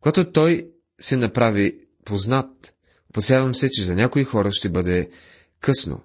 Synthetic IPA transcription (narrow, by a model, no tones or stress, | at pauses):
koɡat̪ot̪ɔj | sɛnɐpɾavi | poznat̪̚ | opɐsjavɐmsɛt͡ʃɛzɐnʲakoixɔɾəʃt̪ɛbɤd̪ɛ | kɤsno̰